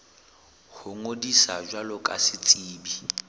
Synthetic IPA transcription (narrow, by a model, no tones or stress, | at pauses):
hʊŋodisa̰d͡ʒwalʊkʼa̰sɪt͡sʼiːbi